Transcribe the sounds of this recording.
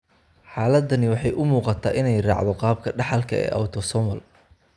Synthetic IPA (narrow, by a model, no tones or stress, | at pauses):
ħɑːlɐd̪ɐnɪwɑħɑjʔʊmuːqɑt̪ʰaːʔɪnɛjrɑ̰ːʕd̪ɔqɑːb̚kʰɐɖɑħɑlkʰɐɛ̰ːʔɐ̰wt̪ʰɔsɔmɐl